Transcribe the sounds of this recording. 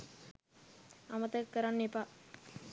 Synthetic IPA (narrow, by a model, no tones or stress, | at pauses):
amət̪əkːəɾanːepa